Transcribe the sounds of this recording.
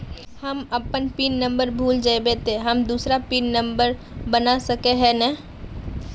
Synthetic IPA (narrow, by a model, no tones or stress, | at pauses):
həməpənpiːnːə̃mbəɾbʱuːld͡ʒaebeːt̪eɦəmd̪uːsɾapiːnːə̃mbəɾ | bənasəkeɦɛnɛ